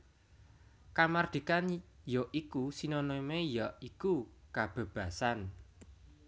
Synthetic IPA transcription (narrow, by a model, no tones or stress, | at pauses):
kamard̪̥i̤kanjɔʔikusinɔnɔimejɔʔikukab̥e̤b̥ä̤san